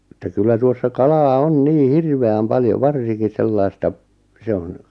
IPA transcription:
ĕtːæ kylːæ tuosːɑ kɑlɑː on niː hirʋeæm pɑljoʋ ʋɑrsiŋki selːɑistɑ se on̞

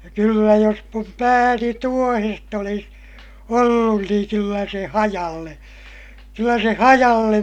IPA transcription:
kylːæ jos mum pæːni tuohest olis olːun niːŋ kylːæ se hɑjɑlːe kylːæ se hɑjɑlːem

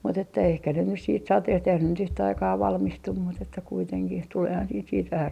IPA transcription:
mut etːæ ehkæ ne nys siːt sɑteht eihæn ne nyt yhtæ ɑikɑː ʋɑlmistum mut etːæ kuiteŋkih tuleːhɑn siːt siːt ʋæhæ

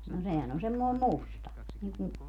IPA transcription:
no sehæn on semːoi̯m mustɑ niːŋkum

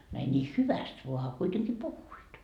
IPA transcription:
no ei nʲiː hyʋæst ʋoɑ ɑ kuiteŋki puhːuit

